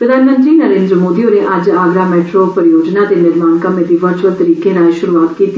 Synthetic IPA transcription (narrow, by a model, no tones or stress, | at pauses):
pɾəd̪ʱaːnmə̃nt̪ɾiːnəɾẽːnd̪ɾəmoːd̪iõneʔɐd͡ʒaːɡɾaːmɛːʈɾoːpəɾɪjoːd͡ʒnãːd̪eːnɪɾmaːnkəmẽd̪iːʋəɾt͡ʃʋəlt̪əɾiːkeːɾaːjʃʊɾuːaːt̪kiːt̪i